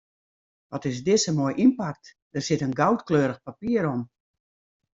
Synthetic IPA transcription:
ʋɔtɪsdɪsəmoːjʔimpak̚t | d̥ərsɪtənɡawtkløːɾəxpapiəɾɔm

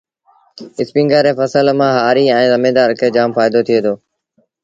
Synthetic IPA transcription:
ɪspĩŋɡəɾeːfəsəlmãːɦaːɾiːɛ̃ːzəmeːd̪aːɾkʰeːd͡ʒaːmfaːɪd̪ot̪ʰɪjeːd̪oː

